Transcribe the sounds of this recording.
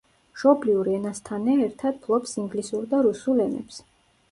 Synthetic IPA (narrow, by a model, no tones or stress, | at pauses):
ʃɔbliuɾiɛnast̪ʰanɛːɾt̪ʰad̪̥̚pʰlˠɔpsiŋɡlisuɾd̪aɾusulɛmɛ̰ps